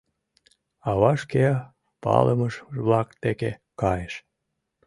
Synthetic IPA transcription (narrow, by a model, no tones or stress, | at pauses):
ɑβɑʃkeɑ | pɑ̰lʔəməʃβlɑkt̪ekekɑjeʃ